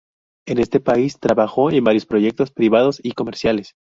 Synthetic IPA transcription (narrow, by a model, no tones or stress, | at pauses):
e̞ne̞st̪e̞paist̪ɾaβaxo̞embaɾjo̞spɾo̞ʝe̞k̚t̪o̞spɾiβað̞o̞siko̞me̞ɾsjale̞s